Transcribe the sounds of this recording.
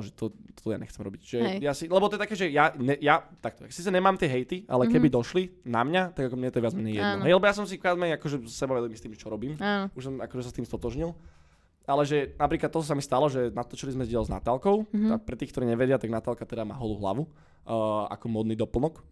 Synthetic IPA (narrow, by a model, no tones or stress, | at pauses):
ʒɛt̪ɔt̪ɔ̥t̪ɔja̰ɲɛ̰xtt͡sɛmɾɔbicʒʒɛjasilɛbɔt̪ɔɛt̪akɛːʒɛjaɲɛjat̪ak̚t̪ɔaksiːt͡sɛɲɛmaːmt̪ɪɛɦɛjt̪ia̰lɛkɛbid̪ɔʃlinamɲat̪aɡakɔmɲɛt̪ɔjɛʋad͡zmɛɲɛjɛ̰d̪ɔɦɛjlɛbɔjas̬ɔmsikaːd͡zmɛɲakɔʒɛsɛbaʋɛdɛlimist̪iːmʒɛt͡ʃɔɾɔbiːmanuʃsɔmakɔʒɛsast̪iːmst̪ɔt̪ɔʒɲilˠ | alɛʒɛnapɾiːklat̪ːɔt̪ɔs̬amist̪alɔʒɛnat̪ɔt͡ʃilizmɛzɟɪalzna̰t̪aːlˠkɔʊapɾɛt̪iːxkt̪ɔɾiːɲɛʋɛdɪat̪aɡnat̪aːlkat̪ɛd̪ama̰ːɦɔluɦla̰ʋuː | a̰kɔmɔd̪niːd̪ɔpl̩ˠnɔk